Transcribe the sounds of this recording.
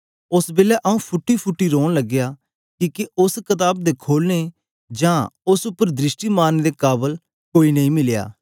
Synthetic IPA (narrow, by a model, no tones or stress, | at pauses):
ʊsbeːlɛʔɐũpʰʊʈːipʰʊʈːiɾoːɽ̃ləɡɪjaː | kiːkeʊskɐt̪aːb̚d̪eːkʰoːlne | d͡ʒãːʊsʊpːəɾd̪ɾɪsʈiːmaːnd̪ekaːbəl | koːinɐɦĩːmɪlja̰ː